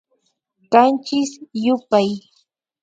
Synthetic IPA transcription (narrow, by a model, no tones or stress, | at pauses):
kant͡ʃɪsjʊpaj